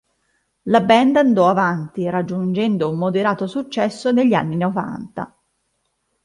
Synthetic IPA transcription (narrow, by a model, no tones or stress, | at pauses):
labɛnd̪and̪ɔavant̪iɾad͡ʒːund͡ʒɛnd̪oummod̪eɾaːt̪osut͡ʃːɛsːoneʎːia̰nːinova̰nt̪a̰